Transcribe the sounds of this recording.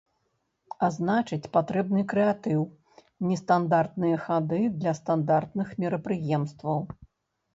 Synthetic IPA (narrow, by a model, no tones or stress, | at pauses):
aznat͡ʂɨt͡sʲpat̪ɾɛbnɨkɾɛat̪ɨw | nʲɛst̪and̪art̪nɨjɐxad̪ɨd̪lʲɐst̪and̪art̪̚nɨxmʲɛɾɐpɾɨjɛmst̪vɐw